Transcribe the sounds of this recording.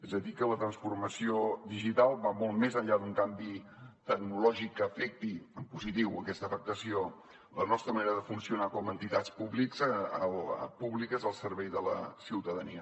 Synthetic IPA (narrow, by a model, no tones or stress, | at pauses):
ezəðikələt̪ɾənsfurməsioðiʒit̪alˠβamolˠtmezəʎad̪uŋkambit̪əɡnulɔʒikːəːfɛk̚t̪iəmpuzit̪iwəkɛst̪əfək̚t̪əsio | lənɔst̪ɾəməneɾəðəfunsiunakɔmənt̪it̪at͡spuβlikzəlpuβlikəzəlˠsəɾβɛjðələ̰siwt̪əðəniə